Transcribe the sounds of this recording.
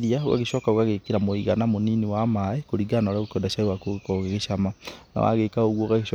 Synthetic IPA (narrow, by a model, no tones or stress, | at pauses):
ðiaoɣa̰ɣeɕɔːkaoɣaɣekeɾamoiɣanamoninewamaɛkoɾiɡanaɾaɣokɔndaʃaewakoɣekɔɣeɣeʃamana̰wa̰ɣekaoɣwɔɣaɣeɕ